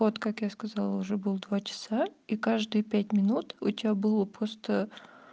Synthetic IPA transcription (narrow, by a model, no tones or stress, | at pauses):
ot̪kakjaskɐzalˠəʊʐɛbɨlˠd̪vat͡ɕɪ̥saikaʐd̪ɨjəpʲætʲmʲɪnut̪ʊtʲɪbʲabɨlˠəpɾost̪ə